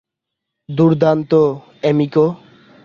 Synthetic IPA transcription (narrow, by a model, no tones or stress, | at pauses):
d̪uɾd̪ant̪o | ɛmiko